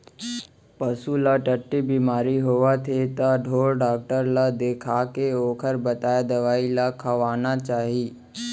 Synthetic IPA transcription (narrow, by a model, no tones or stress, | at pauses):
pəsulaʈəʈːebiːmaːɾiɦoʋat̪ʰet̪aɖʱoːɽɖaːk̚ʈəɾlad̪eːkʰakeoːkʰəɾbɐt̪aːjad̪ɐʋaːilakʰɐʋaːnat͡ʃaːɦiː